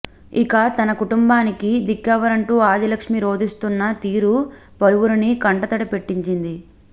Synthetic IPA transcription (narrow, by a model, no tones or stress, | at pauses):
ikɐt̪ɐnɐkuʈumbaːnikid̪ikːɐʋɐɾɐɳʈuːaːd̪ilɐkʂmiɾo̞ːd̪ist̪unːɐt̪iːɾu | pɐluʋuɾinikɐɳʈɐt̪ɐɽɐpe̞ʈːiɲt͡ʃind̪i